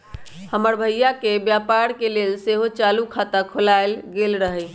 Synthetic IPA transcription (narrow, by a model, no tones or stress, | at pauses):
həməɾbʱəjjakebjapaɾkelelseɦot͡ʃalukʰat̪akʰolaelɡelɾəɦəj